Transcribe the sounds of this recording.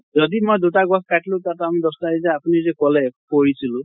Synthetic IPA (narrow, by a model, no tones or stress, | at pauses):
zɔdimojdutaɡɔskatʰlʊ̃tatamidɔstaizɛapunizɛkɔlɛpoɹisilʊ̃